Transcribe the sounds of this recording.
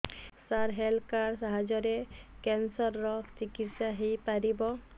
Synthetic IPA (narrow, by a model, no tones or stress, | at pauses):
saɾɦɛlkaɾsaɦad͡ʒɔɾekɛnsɔɾːɔt͡ʃikit̪saɦijpaɾibɔ